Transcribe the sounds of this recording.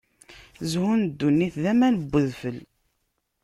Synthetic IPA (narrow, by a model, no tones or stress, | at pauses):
zhund̪ːunːiθðæmænəbːəðfəl